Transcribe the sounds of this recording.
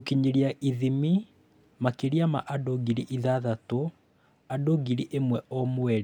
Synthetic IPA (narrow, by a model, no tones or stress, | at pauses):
kiɲiɾiaʔiðimi | makiɾjama̰ʔadoɡiɾiʔiðaðato | adoɡiɾiʔemwɛɔmwɛɾɛ